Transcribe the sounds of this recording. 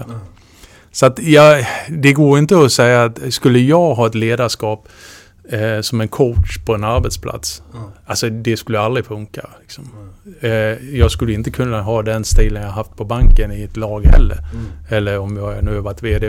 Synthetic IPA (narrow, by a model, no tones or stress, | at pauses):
sɔat̪jɑːd̪ɛɡoːɾjɪnt̪əɔsɛjːaːt̪skɵlːəjɑːɡɦɑːɛt̪leːd̪aʂkɑːp | sɔmɛnkʰɔʊʈʂpʰɔɛnaɾbɛt̪spʰlʔa̰t̪salsɔd̪ɛskɵlːəald̪ɾɪfɵŋka̰lɪksɔm | jɑːɡskɵlːəɪnt̪əkʰɵnːaɦɑːd̪ɛnst̪iːlənjɑhɦaft̪̚pʰɔbaŋkənɪɪt̪lɑːɡhɛ̰lːə̰ɾɛlːəɾɔmjɑːænʉ̟ːhaɾvaʈːveːd̪e